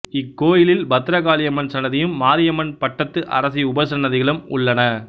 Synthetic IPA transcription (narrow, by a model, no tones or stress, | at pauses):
ɪkːoːjɪlɪlbɐt̪ːɪɾɐɣaːlɪjɐmɐnsɐnɐðɪjɯmːaːɾɪjɐmɐnpɐʈːɐt̪ːɯʔɐ̰ɾɐsiʊbɐsɐnːɐðɪɣɐɭɯmʊ̰ɭːɐnɐ